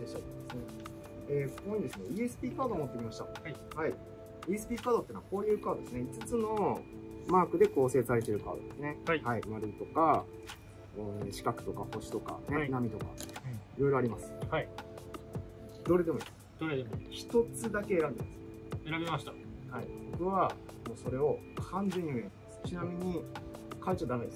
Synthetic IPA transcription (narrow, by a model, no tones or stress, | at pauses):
d̪eɕt̪akd̪esne | eːso̥koind̪esɨneːesɨ̥pʲiːkaːd̪o̞ːmot̪ːe̞kʲimaɕi̥t̪a̰ha | hai | ɯ̟ːesɨ̥pʲiːkaːd̪ot̪ːeːnoako̞ːjɯ̟ːkaːd̪o̞d̪e̞sɨneit͡sɨ̥t͡sɨno̞ | maːkɯ̟d̪e̞ko̞ːse̞ːsaɾet̪eɾɯ̟ka̰ːd̪o̞̰d̪esɨne̞haihaimaɾɯt̪o̞ka | ɕi̥kakɯ̟̥t̪o̞kaho̞ɕi̥t̪o̞ka̰ne̞namʲit̪o̞ka̰iɾo̞jɾo̞aɾʲimasɨ̥hai | d̪o̞ɾe̞d̪e̞moḭ | d̪̥oɾed̪eçi̥t̪o̞t͡sɨd̪ake̞ːɾãnd̪e̞masɨ̥ | eɾabemaɕit̪ahaḭbo̞kɯ̟βamo̞ːso̞ɾe̞o̞kʰãnd͡ze̞ɲ̟ːiomemasɨ̥t͡ɕinamʲiɲ̟ikait͡ɕod̪anaid̪s